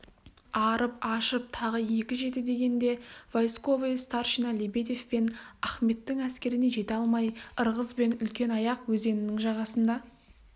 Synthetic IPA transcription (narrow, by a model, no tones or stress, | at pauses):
ɑɾəpɑʃəp̚t̪ʰɑʁəje̞kʲɪʒe̞t̪ɪd̪e̞ɡʲe̞nd̪e̞vojsko̞vest̪ɑɾʃinɑlʲebe̞d̪e̞fpe̞næχme̞t̪ːɪŋæskʲe̞ɾɪne̞ʒe̞t̪eɑlˠmɑjəɾʁəzbe̞nʏlkʲe̞nɑjɑqwɵze̞nɪnɪŋʒɑʁɑsənd̪ɑ